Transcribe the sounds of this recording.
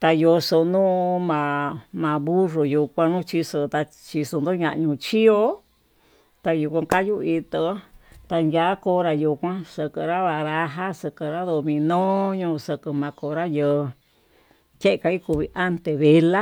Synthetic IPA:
t̪a˧jo˧so˧nũ˦mã˨mã˧βu˦ro˨ju˧kʷã˧nũ˦t͡ʃi˧sɨ˧t̪a˧ | t͡ʃi˧so˧nd̪o˦ɲã˧ʔɲũ˧t͡ʃi˦o˦ | t̪a˧ju˧kʷã˧ka˦ju˦i˧t̪o˧˦t̪a˧nja˨˦ko˧˦ɾa˧ju˧kʷã˦sɨ˧kɨ˧ɾa˦βa˧ɾa˧ɦa˦sɨ˧kɨ˧ɾa˦ðo˧mĩ˧nõ˦ɲũ˧sɨ˧kɨ˧mã˧ko˧˨ɾa˦jə˧ | ke˦ʔka˧i˦ku˧βi˧ʔa˦nt̪e˧βe˧la˦

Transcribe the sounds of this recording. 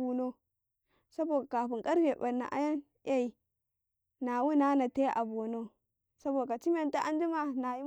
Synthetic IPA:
u˨no˦ | sa˦bo˨da˨ka˨ɸu˨ŋkʼa˦ɾɡe˨ba˨nːa̰˨ʔa̰˦ja˦n | ja˦i˨ | na˨wu˦na˦na˨te˦ʔa̰˨bo˨no˦ | sa˦bo˨a˨t͡ʃi˦m˦a˨nta˦ʔa˦n˦d͡ʒi˦ma˦na˨ji˦

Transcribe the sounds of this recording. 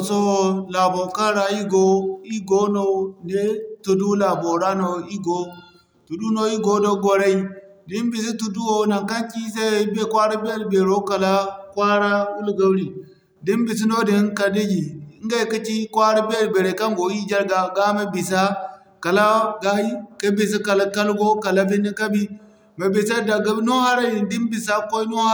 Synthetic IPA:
so˦la˨bo˨ka˦ɾa˨i˦ɡo˦i˦ɡo˦no˦nde˦tu˨du˦la˨bo˨ɾa˦no˨i˦ɡo˦ | tu˨du˦no˦i˦ɡo˦do˦ɡo˨ɾa˦i˦di˦nbi˨s̬i˦tu˨du˦wo˦na˨ŋka˦nt͡ʃi˦se˦˨i˦be˦kwa˦ɾa˦be˦lbe˨ɾo˦ka˨la˦kwa˦ɾa˦wu˦lɡa˦wɽi˨ | di˦nbi˨si˦no˦di˨˦ka˨di˦d͡ʒi˨˦ŋ˦ɡa˦i˨ki˦t͡ʃi˦kwa˦ɾa˦be˦lbe˨ɾe˨ka˦ŋɡo˨ji˦d͡ʒa˦ɾɡa˨ɡa˦ma˨bi˨sa˦ | ka˨la˦ɡa˦hi˦ka˦bi˨s̬i˦ka˨la˦ka˦lɡo˦ka˨la˦bi˦ni˦ka˦bi˦ | me˨bi˨sa˦da˨ɡa˦bi˦no˦ha˦ɾa˦di˨ndi˦nbi˨sa˦ko˦no˦a˦

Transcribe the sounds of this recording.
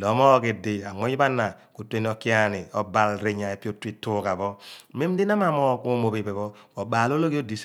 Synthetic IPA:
lɔ˨˦mɔ˦ki˨di˨a˨ŋɔ˦i˦ba˦nːa˨ | ku˨te˦n˦ɔ˨ki˦a˦ni˨ɔ˨ba˨lɾi˨˦ɲa˨e˨pi˦o˦ti˦tːu˦ka˨bɔ˦me˦m˦di˦na˦ma˨mɔ˦ku˦mo˨pe˨pe˨bɔ˦kɔ˨ɓaː˨lo˦lo˦ki˦o˦di˨s

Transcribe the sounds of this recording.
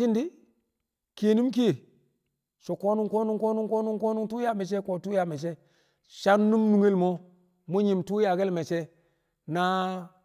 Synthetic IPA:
i˦ndi˦ | ke˨ni˦mki˦e˨ | so˨ko˦nu˦ko˦nu˦ŋko˦nu˦ŋko˦nu˦ŋko˦nu˦ŋtu˦ja˦me˨s̬e˦ko˨tu˦ja˨me˨s̬e˦ | ʃa˦nːu˦mnu˨ŋe˦lmo˦ | mu˦ɲi˨mtu˦ja˨ɡe˦lme˨se˦ | na˦

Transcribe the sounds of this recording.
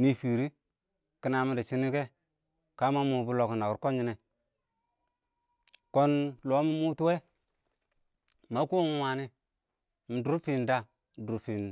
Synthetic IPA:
ni˦fi˨ɾi˦ | ki˦na˨mi˦di˨t͡ʃi˦ni˦ke˦ | ka˦ma˦mu˨bu˦lo˨kna˨ki˨ɾko˦nɲi˦ne˨ | ko˦nlo˦mi˦mu˦tu˦we˦ | ma˦ku˦ŋ˦wa˨ni˦ | mi˨du˦ɾfi˨nda˦˨ | du˨˦fi˨n

